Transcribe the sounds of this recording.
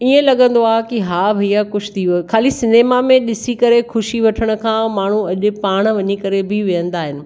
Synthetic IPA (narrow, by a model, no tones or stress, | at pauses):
iə̃lɐɠə̃nd̪oaːɦkiɦaːbʱijakʊʃʰt̪ʰikʰaːlisɪneːmamẽɗɪsikɐɾexʊʃiʋɐʈʰəɽ̃ʊ̆kʰãːmaːɳ̤uɐʄʊ̆paːɽ̃ʋɐɲikɐɾebʱɪʋijə̃nd̪aːɦɪnɪ̆